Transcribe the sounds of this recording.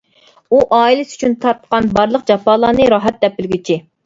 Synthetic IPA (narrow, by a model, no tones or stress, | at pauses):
uʔɑːilɪsy̥t͡ʃʰynt̪ʰɑɾt̪qɑnbɑɾlˠəq̚d͡ʒɑpɑːlˠɑːnɨɾɑɦɛt̪̚d̪ɛpːɪlɡʲit͡ʃʰi